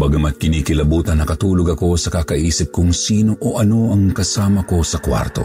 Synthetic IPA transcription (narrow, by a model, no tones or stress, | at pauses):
baɡɐmɐt̪̚kɪnikɪlɐbuːt̪ɐnːɐkɐt̪uːloɡɐko̞sɐkakɐʔiːsɪp̚kʊŋsiːnoʔoʔɐno̞ɐŋkɐsaːmɐko̞sɐkwa̰ɾt̪o̰